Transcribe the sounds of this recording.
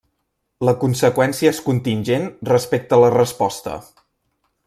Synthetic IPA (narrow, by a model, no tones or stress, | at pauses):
ləkunsəkwɛnsiəeskunt̪inʲʒenrəspek̚t̪ələrəspɔst̪ə̰